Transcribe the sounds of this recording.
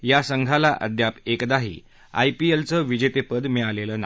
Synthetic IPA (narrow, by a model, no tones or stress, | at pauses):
jasəŋɡʱalaʔə̰d̪ʱjapekd̪aɦḭː | a̰jpielt͡səːʋid͡ʑet̪epəd̪mɛɭaleləːna